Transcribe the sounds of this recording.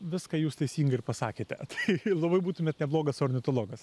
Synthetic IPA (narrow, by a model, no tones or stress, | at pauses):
ʋʲɪskɐjuːst̪ɐɪsʲiːŋɡɐɪɾrpɐsɑːkʲeːt̪ʲɛ̰t̪ɐ̥ɪlˠɐbɐɪbuːt̪ʊmʲeːt̪nʲɛblˠoːɡɐsoːrʲnʲɪt̪oːlˠoːɡɐs